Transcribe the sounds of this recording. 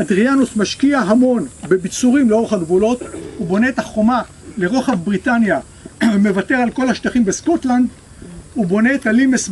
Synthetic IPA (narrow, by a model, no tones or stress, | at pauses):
adʁianusmaʃkiaɦamo̞nbe̞bit͡suʁimleo̞ʁeχaɡbulo̞t̪ubo̞ne̞etaχo̞ma | le̞ʁoχabʁitanja | me̞vate̞ʁalko̞laʃtaχimbesko̞tland̪ | ubo̞ne̞ːtalimes